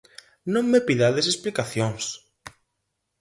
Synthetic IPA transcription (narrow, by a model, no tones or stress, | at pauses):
nõŋmepiðaðes̬esplikaθjoŋs